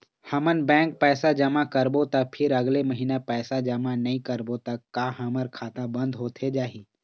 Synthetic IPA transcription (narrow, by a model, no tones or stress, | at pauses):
hɐmənbɛ̃ːŋk̚pɛːsad͡ʒəmakəɾbot̪ɐk̚pʰɪɾɐɡleməɦiːnapɛːsad͡ʒəmanɐɦĩkəɾbot̪ɐkːaɦaməɾkʰaːt̪ãbə̃nd̪ʱɦoːt̪ʰed͡ʒaːɦiː